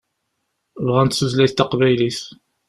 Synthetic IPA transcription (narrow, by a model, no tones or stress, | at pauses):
vʁænt̪suzlæst̪ːɑqvæjlis